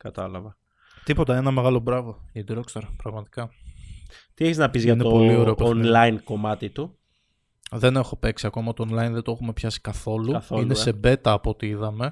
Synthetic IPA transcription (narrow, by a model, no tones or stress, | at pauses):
kɐt̪ɐlɐvɐ | t̪ipo̞t̪ɐenɐme̞ɣɐlo̞bɾɐvo̞id̪ɾokst̪ɐɾpɾɐɣmɐt̪i̥kɐ | t̪ieçeznɐpizʝɐineoolio̞ɾeoenlɐinko̞mɐt̪it̪u | ðe̞ne̞xo̞pe̞ksiɐko̞mɐt̪oːnlɐinðed̪oe̞xume̞pçɐsi̥kɐθo̞luinese̞be̞t̪ɐːpo̞t̪iiðɐme̞